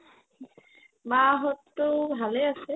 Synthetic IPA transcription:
maɦɔtːʊbʱaleasɛ

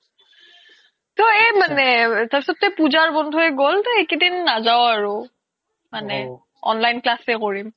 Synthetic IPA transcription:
tɔemanɛtaɹpi̥sɔt̚tɛpuzaɹbɔndʱuɛɡoltɔekidinːazaʊaɹu | manɛ | ɔ̰nlajnklasɛkoɹim

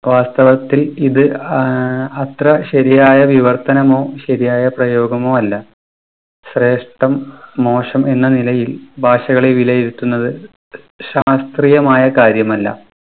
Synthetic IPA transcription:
ʋaːst̪ɐʋɐt̪ːiliðɨ | ɐt̪rɐɕɐɾijaːjɐʋiʋɐrt̪ɐnɐmo̞ːɕɐɾijaːjɐprɐjoːɡɐmo̞ːɐlːɐ | ɕre̞ːʂʈɐmːo̞ːʂɐme̞nːɐnilɐjilbʱaːʂɐɣɐɭeʋilɐjiɾut̪ːunːɐðɨ | ɕaːst̪riːjɐmaːjɐkaːɾjɐmɐlːɐ̰

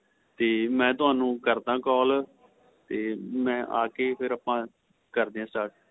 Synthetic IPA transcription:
t̪eːmɛ̃ːt̪ʊɦaːnũːkəɾd̪ãːkɔːl | t̪eːmɛ̃ːʔa̰ːkeːpʰɪɾaːpãː | kəɾd̪iːãːsaːʈ

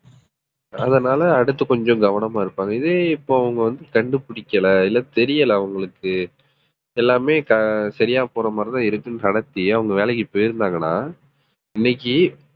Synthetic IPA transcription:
ɐ̰ðɐnaːlɐːɽɯt̪ːɯkɔɲd͡ʒɔ̃ɡɐʋɐnɐmaːɪɾɯpːaːŋɡɐɪðeːɪpːoːɐʋɐŋɡɐʋɐnd̪ɯkɐɳɖɯpʊɽɪkːɐlɐɪlːɐt̪ɛɾɪjɐlɐɐʋɐŋɡɐɭɯkːɯ | ɛlːaːmeːkɐsɐɾɪjaːpoːɾɐmaːɾɐt̪ãːɪɾɯkːɯnnɐɽɐt̪ːiɐʋɐŋɡɐʋeːlɐk̬ːipoːjɪɾɯnd̪aːŋɡɐnaː | ɪnːɛkʲːi

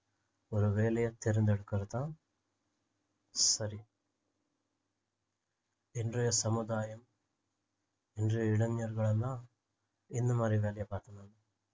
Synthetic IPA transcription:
ɔɾɯʋeːlɐjɐt̪ɛɾɐnd̪ɛɽɯkːɐðɯt̪ãː | sɐɾi | ɛndrɐjɐsɐmʊd̪aːjɐm | ɛndrɐjɐɪɽɐɲɲɐɾɣɐɭɐnd̪ãː | ɪnːɐmaːd̪ɾiʋeːlɐjɐpaːɾt̪ɐnaːn

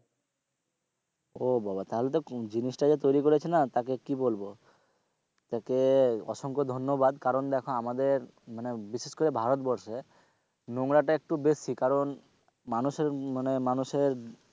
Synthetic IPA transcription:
obabat̪aɦolet̪̬od͡ʑinisʈad͡ʑet̪ojɾikoɾet͡ɕʰenat̪akekibolbo | t̪akeɔ̰ʃoŋkod̪ʱonːobad̪kaɾond̪ɛkʰoamad̪eɾ | manebiʃeʃkoɾebʱaɾot̪bɔɾʃe | noŋɾaʈaek̚ʈubesikaɾon | manuʃeɾmanemanuʃeɾ

